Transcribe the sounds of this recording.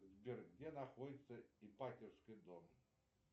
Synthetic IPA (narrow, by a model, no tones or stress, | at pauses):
zʲbʲirɡdʲɛnɐxɔdʲɪt̪sːɐipatʲɪrskɨd̪ɔm